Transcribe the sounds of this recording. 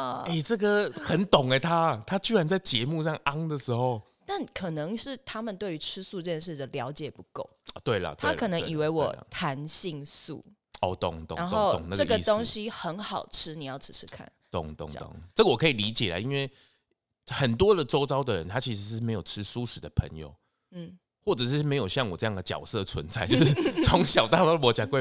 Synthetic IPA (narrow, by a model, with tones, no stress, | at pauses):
ə˨˩e˥˩ɪʈ͡ʂə˥˩ɡə˨xə˨˦nt̪ʊ˨˩ŋe˨˦t̪ʰa˦t̪ʰa˦˥t͡ɕy˥˩ɻa˧˦nt͡sa˥˩ɪt͡ɕjɛ˧˦mu˥˧ʂɑ˥˧ŋa˦ŋd̪ə˨ʂɻ̩˧˦xo˥˧ʊ | t̪a˥˩nkʰɤ˨˩nɤ˧˦ŋʂɻ̩˥˩t̪ʰa˥mə˨nt̪we˥˩ɪy˧˥ʈ͡ʂʰɻ̩˥su˥˧ʈ͡ʂɤ˥˧t͡ɕjɛ˥nʂɻ̩˥˩d̪ə˩ljɑ˧˥ʊt͡ɕjɛ˨˩pu˧˦ko˥˩ʊɔ˨˩t̪we˥˩ɪlə̰˩t̪t̪wea˥˩kʰɤ˨˩nɤ˧˦ŋŋʔi˨˩we˧˥ɪwɔ̰˨˩t̪ʰa˧˦nɕi˥˧ŋsṵ˥˩ | ɔ˨˧t̪ʊ̰˨˩ŋt̪o̰˨a˧˦nxo˥˧ʊo̰˨ŋna˥˧ɡʈ͡ʂə˥˩ɡə˨˧t̪o˥ŋɕi˥xə˧˥nxɑ˨˩ʊʈ͡ʂʰɻ̩˥ni˨˩jɑ˥˩ʊʈ͡ʂ̩ʰ˧˥ʈ͡ʂʰɻ̩˥kʰa̰˥˩nt̪ʊ˨˩ŋt̪ʊ̰˨˩ŋo̰˨˩ŋʈ͡ʂə˥ɡə˨wɔ˨˩kʰə˧˥i˨˩li˧˥t͡ɕjɛ˨˩la̰˨˦i˦˥nwe˥˩ɪ | xə˨˩nt̪wɔ˦d̪ə˨ʈ͡ʂo˥ʊt͡sɑ˥ʊd̪ə˨ɻə̰˦nt̪ʰa˥t͡ɕʰi˧˥ʂɻ̩˧˦˥me˧˥ɪjo˨˩ʈ͡ʂʰɻ̩˦su˦˥ʂɻ̩˨˩d̪ə˦˩pʰə̰˧˦ŋjo̰˨˩ʊ | n̩˥˩ | xwɔ˥˩ʈ͡ʂɤ˨˩ʂ̩˥˩˧me˧˥ɪjo˨˩ʊɕjɑ˥˩ŋwɔ˨˩ʈ͡ʂɤ˥˧jɑ˥ŋd̪ə˩t͡ɕjɑ̰˨˩ʊsɤ˥˨t͡sʰwə˧˦nt͡sa˥ɪt͡ɕjo˥˧ʂʂt͡sʰʊ˧˦ŋɕjɑ˨˩ʊt̪a˥˨lɔ˥lwɔ˧˦t͡ɕja˨˩kwe˥˧